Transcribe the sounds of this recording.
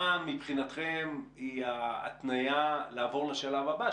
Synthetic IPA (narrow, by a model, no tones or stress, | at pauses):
mipχinat̪χemia̰t̪najalaːvo̞ʁleʃalavaba